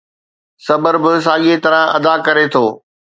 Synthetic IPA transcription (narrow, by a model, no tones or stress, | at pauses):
sɐbəɾbɪs̬aːɠet̪ɐɾə̃ɐ̰d̪akɐɾet̪ʰoː